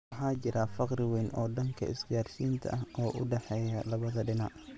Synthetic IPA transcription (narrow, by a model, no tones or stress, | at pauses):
ħaːt͡ʃɪɾɐfɑqrɪwɛːnʔɔːɖɐŋkʰɐ̰ɪ̰sd̪ɪjaːrʃiːnt̪ʰɐ̰ʔɐɦʔɔːʔʊɖɛħɛjɐlɐβɐðɐɖɪna̰ʔ